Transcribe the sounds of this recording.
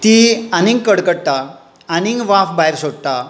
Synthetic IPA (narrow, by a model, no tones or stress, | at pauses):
t̪ianĩŋɡkəɽkəɽʈ̪a | aniŋɡʋãfbaɦeɾsoɽ̚t̪a